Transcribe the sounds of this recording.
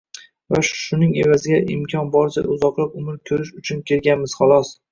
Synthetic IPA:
vaʃʃʊnɪŋe̞vazɪɡʲaʔɪmkʲʰɒnbɒɾsa̰ʊzɒqlˠapʊmɪɾkʲʰɵɾɪʃʊt͡ʃʰʊnkʲʰe̞ɾɡʲanmɪz̥χɑlˠɒs

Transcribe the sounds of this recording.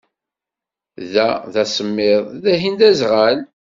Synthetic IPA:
ðæðæsəmːɪðˤðæɦind̪æzʁal

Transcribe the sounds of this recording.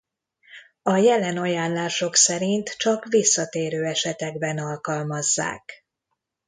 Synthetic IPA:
ɒjɛlɛnɒjaːnlaːʃo̞ksɛɾint̪t͡ʃɒkʋisːɒt̪eːɾøːɛʃɛt̪ɛɡbɛnɒlkɒlmɒzːa̰ːk

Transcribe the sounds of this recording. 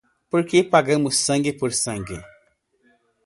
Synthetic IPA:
pɨɾkepaɡɐmɨsɐŋɡipɨɾsɐŋɡi

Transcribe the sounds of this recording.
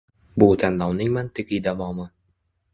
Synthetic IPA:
bʊt̪ʰanlɒwnɪŋmant̪ʰɪɡɪd̪avɒmɪ

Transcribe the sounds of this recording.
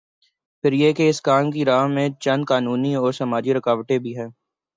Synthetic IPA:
pʰɪɾjekeɪskaːmk̬iɾaːɦmẽt͡ʃɐ̃nd̪̚kaːnuːniɔːɾsɐmaːd͡ʒiɾɐkaːʋʈebʱiɦɛ̃ː

